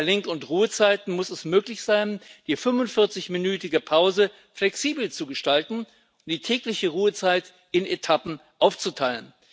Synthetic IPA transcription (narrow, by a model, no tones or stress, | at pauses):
lɪŋkʊntʁuːət͡saɪtn̩mʊsɛsmøːklɪçz̥aɪnd̥iːfʏmvʊntfɪɐt͡sɪçminyːtɪɡəpʰaʊzə | flɛksiːbl̩t͡suɡəʃtaltn̩ | ʊnd̥iːtʰɛːklɪçəʁuːət͡saɪt | ɪnetʰapm̩ʔaʊft͡sutʰaɪlən